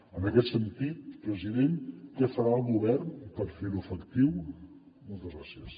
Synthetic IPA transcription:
ənəkɛt̪sənt̪it̪̚pɾəziðenkɛfəɾaəlˠɣuβɛrnpəɾfeluəfəkt̪iw | molˠt̪əzɣɾasiəs

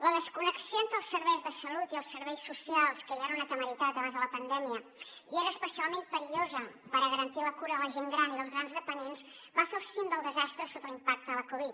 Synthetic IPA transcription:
ləðəskunəksijoent̪ɾəlˠsːəɾβɛjzðəsəlut̪iəlˠsəɾβɛjsːusialˠskəjaɾunat̪əməɾit̪at̪əβanzðələpənd̪ɛmiəieɾəːspəsialˠmempəɾiʎozəpəɾəɣəɾənt̪iləkuɾəðələʒeŋɡɾaniðəlˠzɣɾanzðəpənenz | bafelˠsind̪əlˠd̪əzast̪ɾəsot̪əlimpak̚t̪əələkuβ̞it̪̚

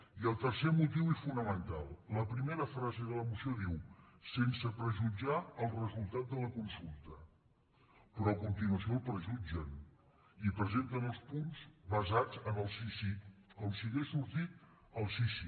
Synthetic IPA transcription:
iəlˠt̪ərsemut̪iwɛsfunəmənt̪alˠləpɾimeɾəfɾazeðələmusioðiwsensəpɾəʒud͡ʒaəlˠrəzulˠt̪at̪̚d̪ələkunsulˠt̪ə | pɾɔkunt̪inuəsiolˠpɾəʒud͡ʒən | ipɾəzent̪ənəlˠspunzβəzad͡zənəlˠsisiəlˠsiɣesuɾt̪it̪̚ | əlˠsisi

